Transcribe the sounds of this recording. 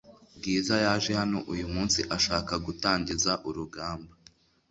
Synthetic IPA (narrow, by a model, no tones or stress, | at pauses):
ɡiːzajaːʒehano̞ʔujumuːnsiʔaʃaːkaɡutaːɲɟizaʔuɾuɡaːmba